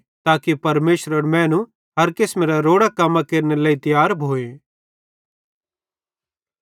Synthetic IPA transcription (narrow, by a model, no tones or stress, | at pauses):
t̪aːkipɐɾmeːʃɾəɾmɛ̃ːnũ | ɦɐɾkɪsmeːɾaɾoːɽakɐmːãkeːɾnelaːĩt̪ɪjaːɾbʱoːe